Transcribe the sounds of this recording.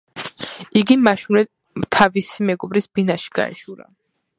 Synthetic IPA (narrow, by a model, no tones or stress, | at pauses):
iɡimaʃunɛ | t̪ʰavisimɛɡɔbɾisb̥inaʃi̥ɡ̥a̰ɛ̰ʃuɾa̰